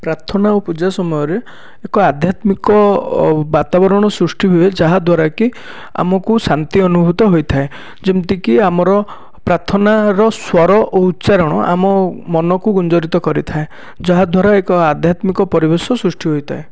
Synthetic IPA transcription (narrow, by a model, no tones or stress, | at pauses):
pɾat̪ʰɔnaupud͡ʒasɔmɔjɔɾeː | kɔad̪ʱjat̪mikɔbat̪abɔɾɔɽ̃ɔsɾusʈʰiɦued͡ʒaɦad̪ʱwaɾaki | a̰mɔkusant̪iɔnubʱut̪ɔɦojt̪ʰae | d͡ʒemt̪ikiamɔɾɔ | pɾat̪ʰɔnaɾɔswɔɾɔʔoutːʃaɾɔɽ̃ɔ̰ʔa̰mɔmɔnɔkuɡund͡ʒɔɾit̪ɔkɔɾit̪ʰae | d͡ʒɔɦad̪ʱwaɾaekɔad̪ʱjat̪mikɔpɔɾibesɔsɾusʈʰiɦojt̪ʰae